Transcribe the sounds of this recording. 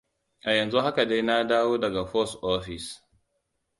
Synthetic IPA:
ʔa˨jɐ˨nzu˦ha˦ka˨da˦jna˦daː˦woː˦dɐ˨ɡa˨ɸɔ˦sʔoː˦ɸɪ˨s

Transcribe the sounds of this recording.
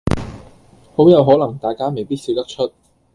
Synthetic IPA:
ho˨˥wjɐ˨˧wɦɔː˨˥lɐ˨˩ŋt̪aː˨jkaː˥me˨jpiː˥t̚siː˨˧t̪ɐ˥k̚t͡ʃʰɵ˥t̚

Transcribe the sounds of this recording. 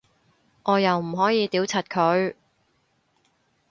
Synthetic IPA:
ʔɔː˨˧jɐ˨wm̩˨˩ɦɔː˨˥jiː˨˧t̪iː˨˥wt͡sʰɐ˨t̚kʰɵ˨˧ɥ

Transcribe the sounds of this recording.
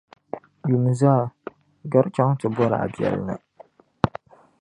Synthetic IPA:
ju˨m˨za˦˨ | ɡa˦ɾt͡ʃa˦ŋtɨ˨bɔ˦ɾa̰˨ʔa̰˨bi˨ɛ̰˨lnɨ̰˨

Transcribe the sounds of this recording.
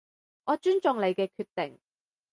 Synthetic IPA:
ʔɔː˨˧t͡ʃyː˥nt͡ʃʊ˨˧ŋle˨˧jkɛː˧kʰyː˧t̪ːɪ˨˩ŋ

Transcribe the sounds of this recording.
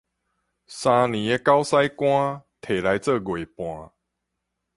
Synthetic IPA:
sã˧nĩ˨˩e˧ka˦ʊwsa˦jkwã˦t̪ʰe˨˩la˨˧˦jt͡sə˥˧˨ɡwe˨˩pw̃ã˨

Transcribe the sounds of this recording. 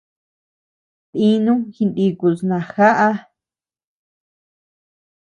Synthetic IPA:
t̪i˦nũ˦xi˧nd̪i˧ku˨snã˨xa˦ʔa˦

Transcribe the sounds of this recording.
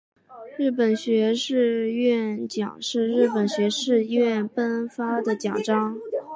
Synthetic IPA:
ɻɻ̩˥˩p̬ə˨˩nɕɥɛ˧˥ʂɻ̩˥˧ɥɛ˥˩nt͡ɕjɑ̰˨˩ŋʂɻ̩˥˧ɻɻ̩˥˩pə˨˩nɕɥɛ˧˥ʂɻ̩˥˧ɥɛ˥˩npə˥nfa˥d̪ə˨t͡ɕjɑ˨˩ŋʈ͡ʂɑ˥ŋ

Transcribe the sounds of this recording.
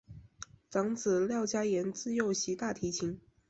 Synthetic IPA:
t͡sɑ˧˥ŋt͡sɹ̩˨˩ljɑ˥˩ʊt͡ɕja˥jɛ˧˥nt͡sɹ̩˥˧jo˥˩ʊɕi˧˥t̪a˥˩t̪ʰi˧˥t͡ɕʰi˧˥ŋ

